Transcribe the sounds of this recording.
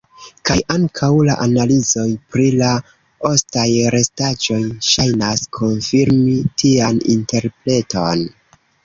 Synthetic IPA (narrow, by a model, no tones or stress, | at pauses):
kajʔaŋkʰawlaʔanalizo̞jpɾila | o̞stajɾe̞stad͡ʒo̞jʃajnaskʰo̞nfiɾmitʰianḭnte̞ɾple̞to̞n